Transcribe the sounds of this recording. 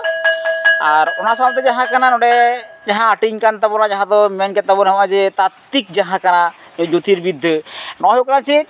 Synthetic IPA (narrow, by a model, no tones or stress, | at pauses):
aɾɔnaɾsɔab̚t̪ɛd͡ʒaɦãkananɔɖɛd͡ʒaɦãːʈiŋkant̪abɔɾad͡ʒaɦãt̪ɔmɛnkɛt̪̚t̪ːabɔnɛɦɔmad͡ʒɛt̪at̪ːik̚d͡ʒaɦãkana | d͡ʒot̪iɾbid̪ʱːənɔɦokɾant͡ʃʰi